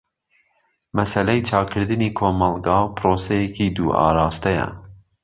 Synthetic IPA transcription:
mɛsɛlɛjt͡ʃʰɑːkʰɨɾd̪ɨniːkʰoːmɑlɡɑːpʰɾoːsɛjɛkiːd̪uːʔɑ̰ːɾɑːst̪ɛjɛ̰

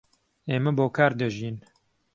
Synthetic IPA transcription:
eːmɐboːkʰaːɾd̪ɐʒiːn

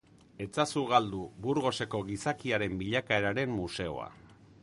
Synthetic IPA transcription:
e̞t͡sasuɣald̪ubuɾɣo̞se̞ko̞ɣisakiaɾe̞mbiʎakae̞ɾaɾe̞mːuse̞o̞̰a̰

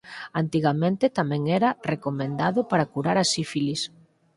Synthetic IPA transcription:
ant̪iɣamẽnt̪ɪt̪amɛ̃ŋɛɾɐrekomẽnd̪aðʊpaɾakuɾaɾasifilis

